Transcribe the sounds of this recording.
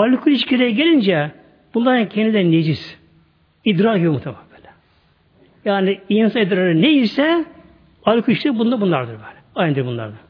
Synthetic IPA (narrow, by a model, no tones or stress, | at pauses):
alʲkʰulʲit͡ʃcʰeɾɛjɟelʲind͡ʒɛ | b̥unlˠaɾancʰɛnd̪id̪ʲæned͡ʒis | id̪ɾaɾɡibjomut̪ʰamambɛːlʲɛ | jaːniijinsanid̪ɾaɾɯnejisɛ | alʲkʰulʲiʃlʲibund̪abunlˠaɾd̪ɯɾbøːlʲɛajnɯd̪ɯɾbunlˠa̰ɾd̪a